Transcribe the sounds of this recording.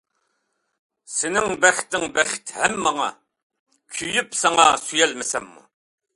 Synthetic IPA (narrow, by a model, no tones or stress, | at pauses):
senɪŋbæχʲt̪ɪŋbæχt̪hæmːɑŋɑ̰ | kʲʰyjypsɑŋɑsyjælməsæmːṵ